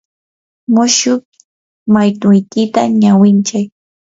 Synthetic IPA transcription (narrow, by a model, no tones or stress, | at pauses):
mʊʃʊk | majt̪ʊjkɪt̪aɲawɪnt͡ʃaj